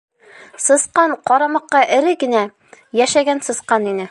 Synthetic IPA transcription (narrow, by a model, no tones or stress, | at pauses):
sɤ̆sqɑɴqɒɾɑmɑqːɑʔɘ̆ɾɘɡɘ̆næ | jæʃæɡænsɤ̆sqɑninɘ